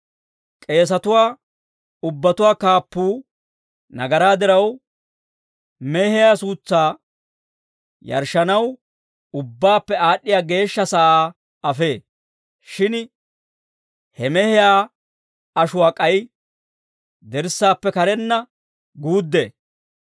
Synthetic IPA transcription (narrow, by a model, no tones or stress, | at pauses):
kʼe̞ːs̬ɐt̪ʊwaː | ʊbːɐt̪ʊwaːkaːpːuː | nɐɡɐɾaːd̪ɪɾɐw | mɛhɪjaːsuːt͡sːaː | jɐ̰ɾʃːɐnɐw | ʊbːaːpːɛaːɗːɪjaːɡe̞ːʃːɐsaːʔaː | ɐfe̞ː | ʃɪn | hɛmɛhɪjaː | ɐʃʊwaːkʼɐj | d̪ɛɾsːaːpːɛkɐɾɛnːɐ | ɡuːd̪ːḛː